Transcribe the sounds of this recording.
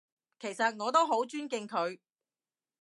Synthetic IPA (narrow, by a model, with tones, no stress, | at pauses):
kʰe˨˩jsɐ˨t̚ŋɔː˨˧t̪o˥wɦo˨˥wt͡ʃyː˥nkɪ˧ŋkʰɵ˨˧ɥ